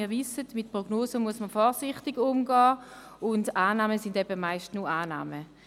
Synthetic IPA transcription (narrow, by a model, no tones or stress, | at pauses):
ɪːɐʋɪsətmɪt̚pʁɔɡnoːzəmuəsməfɔːʁsɪχtɪɡʊmɡɑː | ʊndaːnaːməsɪndɛbəmaɪʃtnuaːna̰ːmə